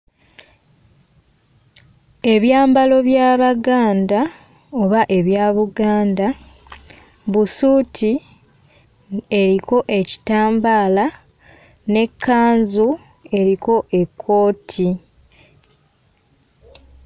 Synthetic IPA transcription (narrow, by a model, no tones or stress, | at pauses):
e̞βjaːmbalo̞βjaːβaɡaːnda | o̞βaʔe̞βjaːβuɡaːnda | βusuːtʰi | e̞ɾiko̞ʔe̞ci̥taːmbaːla | ne̞kːaːnzu | e̞ɾiko̞ʔe̞kʰːo̞ːtʰi